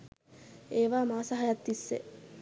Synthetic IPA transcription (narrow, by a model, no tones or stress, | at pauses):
eːʋaːmaːsɐɦajat̪ːisːḛ